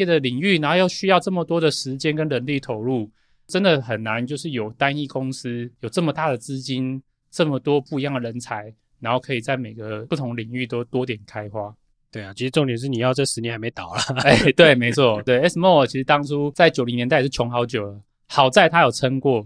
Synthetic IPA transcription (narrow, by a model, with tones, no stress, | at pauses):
ɛ˥˩d̪ə˨li˨˩ŋy˥˩na˧nxjo˥˧ʊɕy˥jɑ˥˧ʊʈ͡ʂə˥˩mə˨˩t̪wɔ˥d̪ə˨ʂɻ̩˧˥t͡ɕjɛ˥nkə˥˦nɻə˧˥nli˥˩t̪ʰo˨˩˦ʊlu˥˩ | ʈ͡ʂə˦˥nd̪ə˨xə˨˩nːa˧˦nt͡ɕjo˥˧ʊʂ̬ɻ̩˥˩jo˨˩ʊt̪a˦˥ni˥˩kʊ˦˥ŋs̩˦˥jo˨˩ʈ͡ʂə˥˩mə˩t̪a˥˩d̪ə˩t͡sɹ̩˥t͡ɕi˦˥n | ʈ͡ʂə˥˩mə˨˩t̪wɔ˥pu˥˩i˧jɑ˥˩ŋd̪ə˩ɻə˧˦nt͡sʰa˧˥ɪ | na˧˦nxo˥˩ʊkʰɤ˧˥i˨˩t͡sa˥˩ɪme˨˩ɪɡə˦pu˥˩t̪ʰʊ˧˥ŋli˨˩ŋy˥˩t̪o˥ʊt̪wɔ˥t̪jɛ˨˩nkʰa˥ɪxwa˥ | t̪we˥˩ɪa˨˩t͡ɕʰi˧˥ʂ̩ɻʈ͡ʂʊ˥˨ŋt̪jɛ˨nʂɻ̩˥˩ni˨˩jɑ˥˧ʊt͡sʂɻ̩˧˥nɛ˧˥nxa˧˥me˧˥ɪt̪ɑ˨˩ʊlə˨˩e˥˩t̪we˥˩ɪme˧˥ɪt͡sʰwɔ˥˩t̪we˥˩ɪe˥ɪsə˧˦mɔ˥˩˨t͡ɕʰi˧˥ʂɻ̩˧t̪ɑ˥ŋt͡sʰu˦t͡sa˥˩ɪt͡ɕjo˨˩li˧˦njɛ˧˥na˥ɪʂɻ̩˥˩t͡ɕʰjɔ˧˥ŋxɑ˧ʊt͡ɕjo˨˩ʊlə˩˦ | hɑ˨˩ʊt͡sa˥˧ɪt̪ʰa˥jo˨˩ʊt͡sʰə˦˥ŋkwɔ˥˩